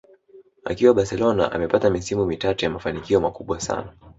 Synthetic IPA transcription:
a̰kiwaɓasɛlɔna̰ʔa̰mɛpatamisimumitatujamafanikiɔmakuɓwasa̰na

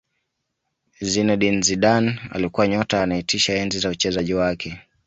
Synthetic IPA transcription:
zinɛɗinziɗana̰likuwaɲɔtanaitʰiʃaɛnzizaut͡ʃɛzaʄiwakʰɛ

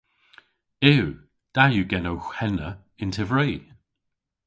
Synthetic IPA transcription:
ɪw | d̥ajuɡɛnowxɛnə | ɪntʰɛvɹiː

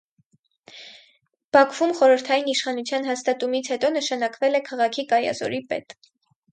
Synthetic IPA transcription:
b̥ɑkʰv̥umχɔɾəɾt̪ʰɑjiniʃχɑnut͡sʰjɑnɦɑst̪ɑt̪umit͡sʰhɛt̪ɔnəʃɑnɑkvɛlɛkʰɑʁɑkʰikɑjɑ̰zɔ̰ɾipɛ̰t̪

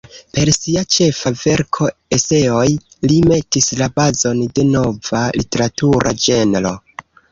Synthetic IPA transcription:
pe̞ɾsiat͡ʃe̞fave̞ɾkʰo̞ese̞o̞j | lime̞tislabazo̞nde̞no̞valite̞ɾatuɾʔa̰d͡ʒe̞nlo̞̰

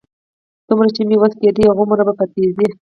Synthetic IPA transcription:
d̪̥umɾat͡ʃemiwaxked̪iaɣomuɾabapat̪ezi

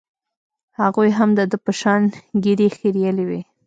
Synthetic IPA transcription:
haɣujɦamd̪əd̪əpəʃɑnɡiɾexiɾjəliwi

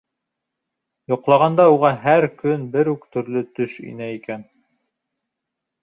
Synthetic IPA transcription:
jŏqlˠɑʁɑnd̪ɑuʁɑɦæɾkɵnbɘɾʉkt̪ɵ̆ɾlɵt̪ɵʃḭnæikæn

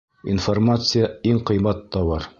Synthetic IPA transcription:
ḭnformat̪sɨjaiŋqɤ̆jmɑt̪ːɑbɑɾ

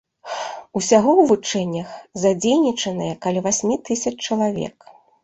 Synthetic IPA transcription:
usʲaɣɔwvut͡ʂɛnʲːɐxzad͡zʲejnʲit͡ʂɐnɨjɐkalʲivasʲmʲit̪ɨsʲɐt͡ʂt͡ʂɐlˠavʲɛ̰k

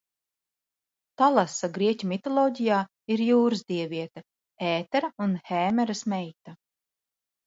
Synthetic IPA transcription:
t̪alˠasaɡɾiɛcʲumit̪ɔlˠɔːɟijaː | iɾjuːɾɨzd̪iɛvʲiɛt̪a | ɛːt̪ɛɾaunhɛːmɛɾɐsmɛjt̪a

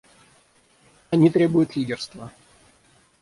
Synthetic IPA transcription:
ɐnʲit̪ɾʲe̞bʊjʊt̪lʲidʲɪrst̪və

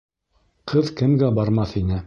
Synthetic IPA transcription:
qʰɤðkɘ̆mɡæbɑɾmɑθinɘ

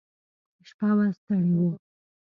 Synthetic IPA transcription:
ʃpawast̪aɽiwu

